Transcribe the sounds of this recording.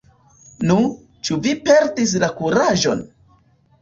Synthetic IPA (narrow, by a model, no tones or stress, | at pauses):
nu | t͡ʃuvipe̞ɾtis̬lakuɾaʒo̞̰n